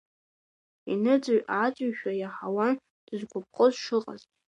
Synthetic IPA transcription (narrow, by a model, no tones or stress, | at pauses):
ḭnɨd͡zaɥat͡sʼaɥʃᶣajaħawan | d̥ɨzɡʷʊp̚ʰʼqʼəzʂɨqʼa̰ztʼ